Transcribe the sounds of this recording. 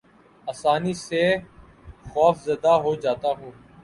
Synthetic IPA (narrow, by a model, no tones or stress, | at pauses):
aːsaːniːseː | xɔːfzəd̪aːɦoːd͡ʒaːt̪aːɦũː